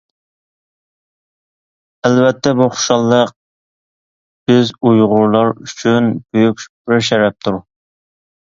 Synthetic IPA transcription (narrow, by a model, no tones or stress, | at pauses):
ælvɛt̪ʰːɛbuχʊ̥ʃɑlˠːəq̚ | b̥ɪzujʁʊɾlˠɑɾyt͡ʃʰynb̥øjykʲb̥ɪɾʃɛɾɛp̚t̪ʰuɾ